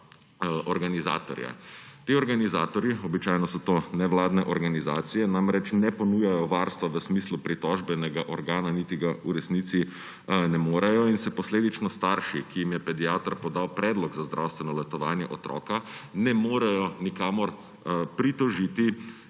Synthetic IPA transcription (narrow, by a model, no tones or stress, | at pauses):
ɔɾɡaniza̰ːt̪ɔ̰ɾja̰t̪iɔɾɡanizaːt̪ɔɾjiɔbit͡ʃaːjnɔsɔt̪oːnɛʋlaːd̪nɛʔɔɾɡanizaːt̪sijɛnamɾɛt͡ʃnɛpɔnuːjajɔʋaːɾst̪ʋaʋəsmislupɾit̪ɔʒbɛnɛɡaʔɔɾɡaːnanit̪iɡauɾɛsniːt̪si | nɛmoːɾajɔinsɛpɔsleːd̪it͡ʃnɔst̪aɾʃikijimjɛpɛd̪ijaːt̪ɔɾpɔd̪awpɾɛːd̪lɔɡzazd̪ɾʔawst̪ʋɛnɔlɛt̪ɔʋaːnjɛ̰ʔɔt̪ɾɔ̰ːkanɛmoːɾajɔnikaːmɔɾ | pɾit̪ɔʒit̪i